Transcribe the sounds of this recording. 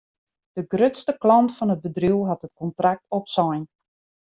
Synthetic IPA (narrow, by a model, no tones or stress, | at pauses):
d̥əɡrøtstəklɑntfɔnəd̚bədriwɦatɦətkɔntrak̚tɔpsɔjn